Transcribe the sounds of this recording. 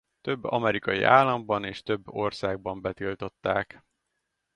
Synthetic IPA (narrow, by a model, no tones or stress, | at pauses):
t̪ø̞bːɒ̰mɛɾikɒjḭʔaːlːɒmbɒneːʃt̪ø̞bːo̞rsaːɡ̚bɒmbɛt̪ilt̪o̞t̪ːaːk